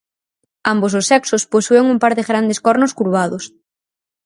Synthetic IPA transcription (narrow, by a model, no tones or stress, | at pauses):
ambososɛksʊsposueŋumpaɾðɪɣɾand̪eskɔɾnʊskuɾβ̞aðʊs